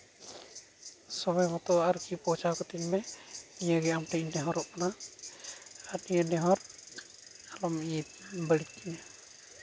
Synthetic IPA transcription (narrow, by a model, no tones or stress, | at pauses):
sɔbɔjmɔt̪ɔaɾukipɔt͡ʃakɔt̪iɲmɛniɲəɡɛamʈiɲnɛɦɔɾɔʔkana | at̪nijənɛɦɔɾ | alɔmijit̪bəɽit̪̚kina